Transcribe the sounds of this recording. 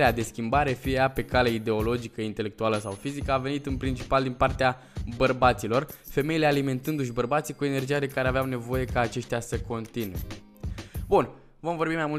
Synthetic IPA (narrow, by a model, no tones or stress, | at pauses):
ead̪e̞skʲimbaɾe̞fijeape̞kaleid̪e̞o̞lo̞d͡ʒikəint̪e̞le̞k̚t̪ualəsawfizikəavenit̪ɨnpɾint͡ʃi̥pald̪inpart̪ea | bərbat̪silo̞rfe̞me̞ile̞alime̞nt̪ɨnd̪uʃbərbat̪sikue̞ne̞rd͡ʒijad̪e̞kaɾeaveawne̞vo̞je̞kaːt͡ʃe̞ʃt̪easəko̞nt̪inwe | bun | vo̞mvo̞rbimajmul